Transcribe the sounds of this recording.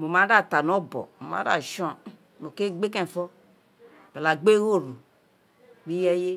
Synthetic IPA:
mo˨ma˨˦da˦˨ta˨no˦bɔ̰˨mo˨mã̰˨˦da̰˦˨ʃɔ̃˦˨ | no˨ke˦ɡ͡be˦kɛ̃˦˨fɔ˦ | pe˨la˨ɡ͡be˦ɣo˦˨ɾu˨ | mi˦jɛ˦je˦

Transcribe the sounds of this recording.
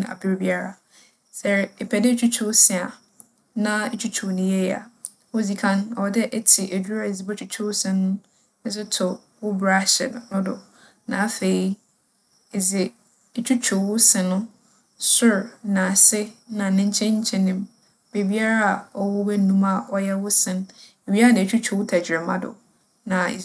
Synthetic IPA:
a̰˨bɪ˦ɾbi˦a˦ɾa˦ | sɛ˨ɾɛ˨pʰɛ˨dɪ˦t͡ɕʰᶣu˦t͡ɕʰo˦sɪ̃˨a˨ | nã˦e˦t͡ʃʰᶣu˦t͡ɕʰo˨nĩ˨jɛ˦ja̰˨ | wo˦d͡zi˨kʰã˦nɔ˨dɛ˦ʔɛ˦tʰɪ˨ʔæ˨d͡ʑᶣu˦ɾa˦˨e˨zi˨bɔ˦t͡ʃʰᶣu˨t͡ɕʰo˦wsɪ̃˨nʊ̃˦ | n̩˦s̬ɪ˦tʰʊ˨ | wʊ˦bɾa˦ɕɛ̰˨n˨nʊ̃˦dʊ˨ | nã˨a˦˨fe˨i˦ | e˨zɪ˨ | e˨t͡ɕʰᶣu˦t͡ɕʰᶣʊ˨wʊ˦sɪ̃˨nʊ̃˦ | sʊ˦ɾnã˨sɪ˦nã˨nɪ̃˦ɲ̩˦t͡ɕʰɛ̃˦ɲ̩˦t͡ɕʰɛ̃˨nɪ̃˨m | be˨bi˦a˦ɾa˦a˨ɔ˨wʊ˦bɛ˦nũ˦ma˨ɔ˨jɛ˦wʊ˦sɪ̃˦n | e˨bi˦a˦ɾa˦˨nã˨t͡ɕʰᶣu˦t͡ɕʰᶣʊ˨wʊ˦tʰa˨d͡ʑᶣɪ˨ɾɪ˨mã̰˦dʊ̰˨ | nã̰˨

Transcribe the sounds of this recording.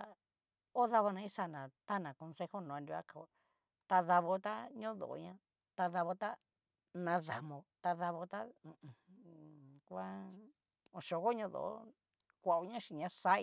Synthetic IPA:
a˧ | o˦ða˧βo˧nã˧ĩ˦sa˧˨nã˨t̪a˦˨nã˨ko˧nse˦ho˦nõ˨˧ndʲu˧a̰˦ka˨o˧˨ | t̪a˧ða˧βo˧t̪a˦ɲõ˦ðo̰˨ʔo̰˧ɲã˦ | t̪a˧ða˧βo˧t̪a˦ | nã˧ða˨mõ˧t̪a˧ða˧βo˧t̪ã˦˧˨ | kʷa˦ | õ˨ʃo˧ɣo˦ɲõ˧ðo̰˨o̰˦ | kʷa˨o˧ɲã˦ʃi˧˨ɲã˧sa˦i˧

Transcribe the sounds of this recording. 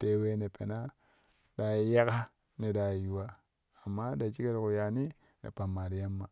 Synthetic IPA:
te˨˦we˦ne˨pe˨na˦ | da˨˦ja˦ka˦ | ne˨da˨ju˨wa˦ | a˨mːa˦da˨t͡ʃi˦ke˦ɾku˨ja˨ni˦ | nḛ˨pa˨mːa˨di˨˦ja˦mːa˨

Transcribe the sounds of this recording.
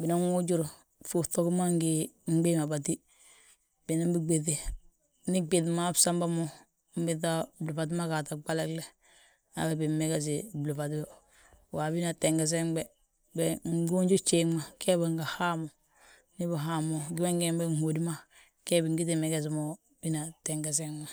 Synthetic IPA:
bi˨na˦ŋu˦d͡ʒu˦ɾ | fu˨to˦kma˦ŋɡi˨m̩˦ɡ͡be˦ma˨ba˨t̬i˦ | b̥i˨na˦mbi˦ɡ͡be˨ti˨ | ni˦ɡ͡bi˨tma˦bsa˦mba˦mo˦ | m̩˦bi˦t̬a˦blu˨fa˨t̬i˦ma˦ka˨ta˨ɡ͡ba˦le˦kle˦ | a̰˦be˨bi˨mːe˦ɡe˦s̬i˨blu˨fa˨ti˦bo˦ | wa˨bi˦na˨te˨ŋɡe˨s̬e˦ŋbe˦ | be˨ŋ˦ɡu˦nd͡ʒu˦t͡ʃe˦ma˨ke˦ba˨ŋɡa˨ha˦mo˨ | ni˦ba˨ɦa˦mo˨ɡi˦ma˦ŋɡe˦˨mbe˦ŋ̩˨ho˨di˦ma˦ | ke˦bi˨ŋɡi˦ti˨me˨ɡe˦˨s̬mo˦ | bi˦na˨te˨ŋɡe˨s̬e˦ŋma˨

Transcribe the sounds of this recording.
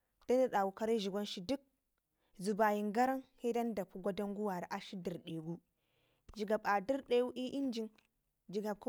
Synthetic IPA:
d̥a˦ni˦ɗa˨wu˨ka˦ɾa˦ʒi˨ɡʷa˦nʃi˦du˦k̚ | zu˨ba˨ji˨ŋɡa˦ɾa˦ŋhi˦da˦n˦da˨pːu˦ɡʷa˦da˦ŋɡu˦wa˨ɾa˨˦ʔa˨ʃi˦di˨ɾɗe˨ɡu˦ | d͡ʒi˨ɡa˨ba˨di˦ɾɗe˦wu˦ʔi˦ʔi˦nd͡ʒi˨n | d͡ʒi˨ɡa˨b̚ku˦

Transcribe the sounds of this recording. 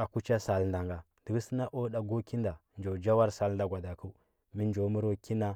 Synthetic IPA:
a˨ku˦t͡ʃa˦sa˨lnda˨ŋɡa˨ | d̥ə˨ɡə˦sə˦na˦ʔo˦ɗa˨ɡo˦ki˦nda˨nd͡ʒo˨d͡ʒa˦wa˦ɾsa˦lnda˦ɡʷa˨da˨ku˦ | mi˦n˦d͡ʒo˨˦mə˦ɾo˦ki˦na˦

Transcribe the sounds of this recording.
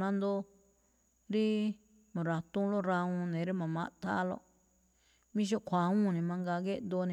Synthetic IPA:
nã˦nd̪o˧ | ɾi˦ | mã˨ɾa˧t̪ũ˦lo˦ɾa˧ũ˧nẽ˨˦ɾi˦mã˨mã˧ʔt̪ʰa̰˦lo̰˦˧ | mĩ˦ʃ̬o˦ʔkʰʷa˨˦ũ˦˨nĩ˧mã˧ŋɡa˧ɡe˦ʔnd̪o˧nĩ˧

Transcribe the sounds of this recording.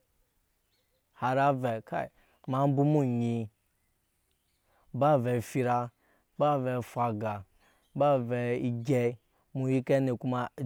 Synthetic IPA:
ha˨ɾa˦vɛ˨ka̰˦˨ | ma˨˦m̩˦bu˦mu˦ɲi˧ | ba˦˨ve˨fi˧ɾa˧ | ba˦˨ve˨fʷa˨ɡa˨˦ | ba˦vɛ˨i˦ɡʲe˦ | mu˨ji˦ke˦ne˨ku˦ma˦˨

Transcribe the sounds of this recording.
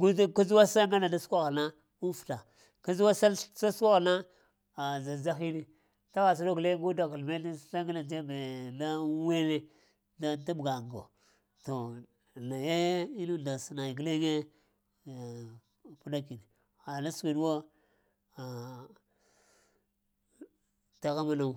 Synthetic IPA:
ɡu˦ka˦zu˦wa˦sa˦ŋɡa˦na˨da˦skʷa˦ɣa˨na˦ | u˦fu̥˨ta˨ | ka˦zu˦wa˦sa˦sa˦sa˦ɣa˨na˦ | a˨za˨za˦xi˦ni˦ | ta˦ɣa˨s̬u˦do˦ɡle˦ɡu˦da˨ka˨lme˦di˦sa˦ŋɡa˦na˨d͡ʒe˦be˨da˦we˦ne˦ | da˦ta˦bɡa˨ŋ˨ɡo̰˨ | to˨ | na˨je˦i˦nu˦da˨sna˨i˨ɡle˦ɡe˦˨ | pu˦da˦ki˨ni˨ | a˨la˦swi˨dwo˦ | a˨ | ta˨ɣa˦ma˦na˨u˨

